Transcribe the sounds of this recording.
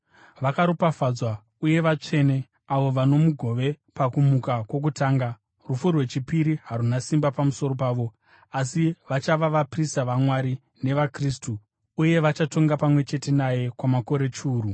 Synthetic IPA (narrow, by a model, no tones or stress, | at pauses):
ʋakaɾupafad͡zwa | uje̞ʋat͡ʂe̞ne̞ | aʋo̞ʋano̞muɡʱo̞ʋe̞ | pakumukakwo̞k̬utaːŋɡa | rufurwe̞t͡ʃipiɾiɦaɾunasimbapamuso̞ɾo̞paːʋo̞ | asiʋat͡ʃaʋaʋapristaʋamwaɾi | ne̞ʋakris̬tu | uje̞ʋat͡ʃato̞ŋɡapamwe̞t͡ʃe̞te̞naje̞kwamako̞ɾe̞t͡ʃuːru